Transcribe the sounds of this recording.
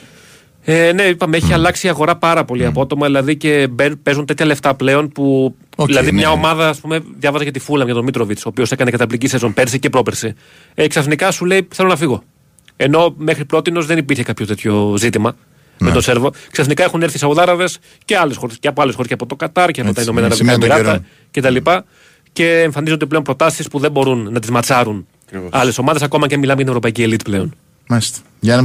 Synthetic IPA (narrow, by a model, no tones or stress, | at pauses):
ene̞ipɐmeeçiɐlɐksiɐɣo̞ɾɐpɐɾɐpo̞liɐpoot̪o̞mɐðilɐðice̞bepe̞zunt̪e̞t̪çɐle̞ft̪ɐple̞o̞npuilɐðimɲɐo̞mɐðɐːspume̞ðjɐvɐzɐcɐt̪ifulɐmʝɐt̪omit̪ɾovit͡so̞ːpio̞se̞kɐnekɐt̪ɐpliɟisezo̞npe̞ɾsicepɾo̞peɾsi | eksɐθnikɐsule̞iθelo̞nɐfiɣo̞ | e̞no̞me̞xɾipɾo̞t̪ino̞zðenipiɾçekɐpçot̪e̞t̪ço̞zit̪imɐ | met̪ose̞ɾvo̞ksɐθnikɐe̞xuneɾθisɐuðɐɾɐðe̞s | ce̞ɐle̞sxo̞ɾesceɐpoɐles̬xoɾesceɐpo̞t̪o̞kɐt̪ɐɾceot̪ɐinomenɐɾɐðikɐmiɾɐɐ | cet̪ɐlipɐ | ce̞ːɱfɐnizunot̪ipleo̞npɾo̞t̪ɐsispuðe̞mbo̞ɾunːɐt̪izmɐt͡sɐɾunɐɾɐle̞so̞mɐðesɐko̞mɐcemilɐmejʝɐt̪nevɾo̞pɐicielit̪i̥ple̞o̞n | mɐst̪